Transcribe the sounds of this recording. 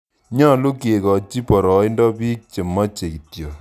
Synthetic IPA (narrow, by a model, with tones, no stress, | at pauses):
ɲɔ˦˨lu˦ke˨kɔ˨t͡ʃi˦pɔ˨ɾɔ˨i˦ndɔ˦pi˦k̚t͡ʃe˨ma˦t͡ʃe˨ki˨tjo˨